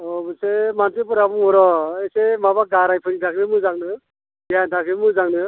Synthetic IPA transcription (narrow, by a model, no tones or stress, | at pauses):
ɔmɯsemantipuɾabuŋɔɾɔesemabaɡaɾajpʰɯnitʰakʰbemɯzaŋnɯ | bijant̪ʰakʰɯmɯzaŋnɯ